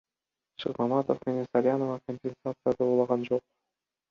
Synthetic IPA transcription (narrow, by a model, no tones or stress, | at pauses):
ʃɨqmɑmat̪ofmenensaɾʲɪjanovɑkomʲpʲɪnsat̪sɨjad̪ɯuːlˠɑʁɑnd͡ʒo̞q̚